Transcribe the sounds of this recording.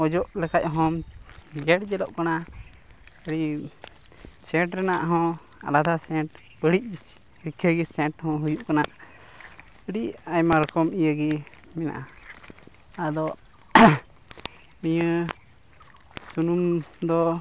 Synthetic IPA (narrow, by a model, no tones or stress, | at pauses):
ɔd͡ʒɔʔlɛkac̚ɦɔmd͡ʒɛʈd͡ʒɛlɔʔkana | əɽi | sɛʈɾɛnaʔɦɔ̃ | a̰lad̪ʱasɛʈ | bəɽic̚ˀd͡ʒisi̥ | ɾikʰəɡisɛ̃ʈhɔ̃ɦujuʔkanaʔ | əɽiʔajmaɾəkɔmijəɡi | mɛna̰ʔa | ad̪ɔ | mijə | sunumd̪ɔ